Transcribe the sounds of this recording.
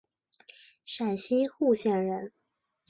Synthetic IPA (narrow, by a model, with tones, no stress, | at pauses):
ʂa˨˩nɕi˥xu˥˧ɕjɛ˥˩nɻə˧˥n